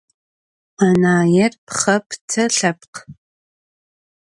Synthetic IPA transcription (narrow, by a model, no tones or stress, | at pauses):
anaːjɛrpχɐptʰɐɬɐp̚q